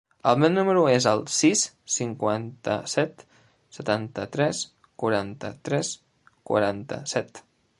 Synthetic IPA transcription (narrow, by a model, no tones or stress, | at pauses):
əlˠmennːuməɾuezəlˠsis | siŋkwant̪ə̰sɛt̪ | sət̪ant̪ət̪ɾɛs | kwaɾant̪ə̰t̪ɾɛs | kwa̰ɾant̪ə̰sɛt̪